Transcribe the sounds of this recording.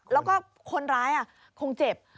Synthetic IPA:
lɛː˦˥wkɔː˥˩ | kʰo˧nɾaː˦˥jʔa˨˩ | kʰo˧ŋt͡ɕe˨˩p̚

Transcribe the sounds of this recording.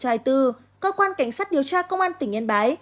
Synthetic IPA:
t͡ɕaː˨˧˩jt̪ɨ˨˧˩ | kəː˧kwaː˧nka˧˩jŋ̟saː˦˥t̚ɗi˨˩əwt͡ɕaː˧kə˧wŋ͡mʔaː˧nt̪ï˧˩ŋə˧nɓaː˨˦j

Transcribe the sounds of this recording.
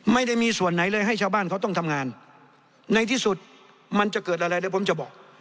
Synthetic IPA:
ma˥˩jda˥˩jmiː˧su˨˩ənːa˩˦jlɤː˧jɦa˥˩jt͡ɕʰaː˧wbaː˥˩nkʰwt̪ɔ˥˩ŋt̪ʰa˧mŋaː˧nː | a˧jt̪ʰiː˥˩su˨˩t̪̚ | ma˧nt͡ɕa˨˩kɤː˨˩t̪ʔa˧ɾa˧jlɤː˧˥˩pʰo˩˦mt͡ɕa˨˩bɔː˨˩k̚

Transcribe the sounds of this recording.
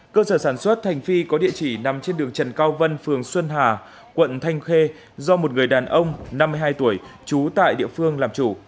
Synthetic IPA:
kəː˧səː˧˩saː˧˩nswə˦˥t̚t̪ʰa˨˩jŋ̟fi˧kɔ˨˦ɗḭ˧ət͡ɕi˧˩na˨˦mt͡ɕe˧nɗɨ˨˩əŋt͡ɕə˨˩nkaː˧wvə˧nfɨ˨˩əŋswə˧nɦaː˨˩ | kwə̰˧˨nt̪ʰa˧jŋ̟xe˧ | zɔ˧mo˨˩t̚ŋɨ˨˩əjɗaː˨˩nʔə˧wŋ͡mna˧mː˧əjɦaː˧jt̪u˧˩əjt͡ɕu˨˦t̪a̰ː˧˨jɗḭ˧˨əfɨ˧əŋlaː˨˩mt͡ɕu˧˩

